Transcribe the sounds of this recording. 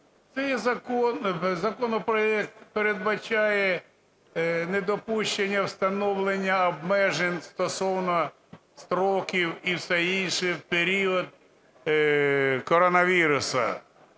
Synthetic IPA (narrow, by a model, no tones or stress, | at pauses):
t̪sɛjzɐkɔnzɐkɔnɔpɾɔjɛk̚t̪peɾed̪̚bɐt͡ʃajɛ | ned̪ɔpuʃt͡ʃenʲːɐwst̪ɐnɔwlˠenʲːɐɐbmɛʒenst̪ɔsɔwnɔ | st̪ɾɔkʲiwiwsɛinʲʃɪwpeɾʲiɔd̪̚ | kɔɾɔnɐʋʲiɾʊsɐ̰